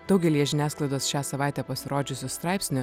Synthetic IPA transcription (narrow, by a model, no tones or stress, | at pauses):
d̪̥ɒʊɡʲɛlʲijɛʒʲɪnʲæːsklˠɐɪd̪oːsʃʲæːsɐʋɑˑɪt̪ʲɛpɐsʲɪɾoːd͡ʒʲʊsʲɪst̪ɾɑˑɪpʲsʲnʲʊ